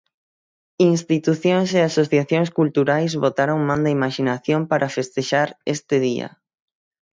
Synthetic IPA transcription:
inst̪it̪uθjoŋs̬easoθjaθjoŋskult̪uɾajzβot̪aɾoŋmãnd̪aimaʃinaθjompaɾʔafest̪eʃaɾest̪ɪðia̰

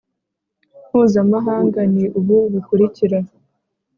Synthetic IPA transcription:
mhuːzamaɦaːŋɡaniʔuβuβukuɾiciɾa

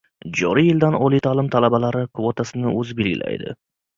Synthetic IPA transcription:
d͡ʒɒɾijɪld̪anɒlˠijt̪ʰalɪmt̪ʰalabalaɾɪkʰvot̪ʰasɪnɪʔɵzɪbe̞lɡʲɪ̰lʔa̰jd̪ɪ̰

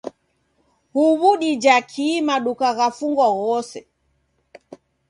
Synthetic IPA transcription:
huβuɗid͡ʒakʰimaɗukaɣafuŋɡɔɣɔsɛ

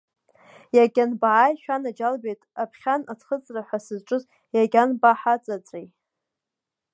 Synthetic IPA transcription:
jaɡʲanbaʕajʃᶣanad͡ʒalbejtʼapʰχʲanat͡sʰχət͡sʼraħʷasɨzʈ͡ʂʼɨz | jaɡʲanbaħat͡sʼat͡sʼrej

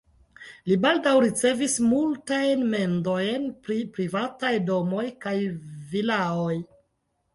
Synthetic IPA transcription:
libaldawɾit͡se̞vismultajnme̞ndo̞jnpɾipɾivatajdo̞mo̞jkajvilaoj

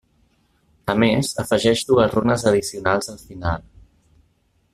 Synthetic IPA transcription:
əmezəfəʒɛʒd̪uəzronəzəðisiunalˠzəlˠfinalˠ

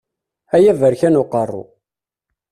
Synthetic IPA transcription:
æjævəɾçænʊqərˤːʊ̰

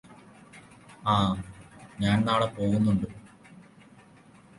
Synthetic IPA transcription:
aː | ɲaːnnaːɽepo̞ːɣunːuɳɖɨ

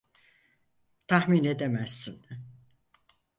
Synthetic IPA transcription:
t̪ʰahmined̪emæsːin

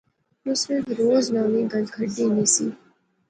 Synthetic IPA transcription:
ʊsmẽːd̪ɾoːznaːnĩɡəlkʰəɖiːniːsiː

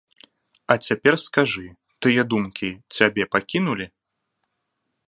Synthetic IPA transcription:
ɐt͡sʲapʲɛrskaʐɨ | t̪ɨjɛd̪umkʲit͡sʲabʲɛpakʲinulʲi

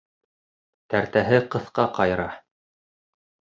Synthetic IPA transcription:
t̪æɾt̪æɦɘqɤ̆θqɑqɑjɾɑ

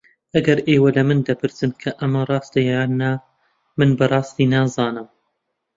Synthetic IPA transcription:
ʔɐɡɐɾʔeːwɐlɐmɨnd̪ɐpʰɨɾsɨnkʰɐʔɐmɐrˤɑːst̪ɐjaːnːa | mɨnbɐrˤɑːst̪iːnaːzɑːnɨm

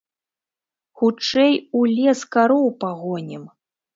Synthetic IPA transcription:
xut͡ʂɛjulʲɛskaɾɔwpaɣɔnʲɛm

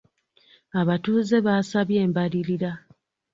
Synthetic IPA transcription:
aβatuːze̞βaːsaβje̞ːmbaliɾiɾa

